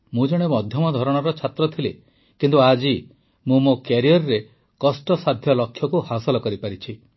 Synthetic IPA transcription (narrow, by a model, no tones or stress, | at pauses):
mũd͡ʒɔɽ̃emɔd̪ʱjɔmɔd̪ʱɔɾɔɽ̃ɔɾɔt͡ʃʰat̪ɾɔt̪ʰile | kint̪uad͡ʒi | mũmokjaɾijɔɾɔɾe | kɔsʈɔsad̪ʱjɔlɔkʰːjɔkuhasɔlɔkɔɾipaɾit͡ʃʰi